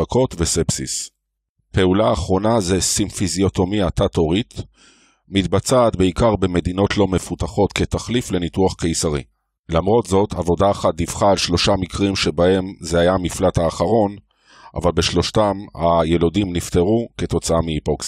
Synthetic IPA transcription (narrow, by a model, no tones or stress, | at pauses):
akʰo̞t̪vesepsis | pe̞ulaːχʁo̞nazesinfizio̞t̪o̞miatato̞ʁit̪ | mit̪bat͡saːt̪beikaʁbe̞me̞d̪ino̞tʰlo̞me̞fut̪aχo̞t̪ket̪aχlifle̞nit̪uaχke̞jsaʁḭ | lamʁo̞t̪zo̞tʰavo̞daːχat̚d̪iv̥χaːlʃlo̞ʃamikʁimʃebahe̞mzeajamiflat̪haːχaʁo̞n | ʔa̰valbe̞ʃlo̞ʃtamhaje̞lodimnift̪eʁuke̞t̪o̞t͡saamiipoks